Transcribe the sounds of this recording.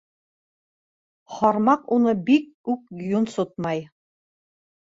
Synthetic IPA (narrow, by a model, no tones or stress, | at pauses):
χɑɾmɑqunɤbik̚ʉk̚junsot̪̚mɑj